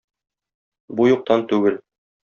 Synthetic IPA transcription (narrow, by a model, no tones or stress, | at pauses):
bujuq̚t̪ɑnt̪ʉɡɘl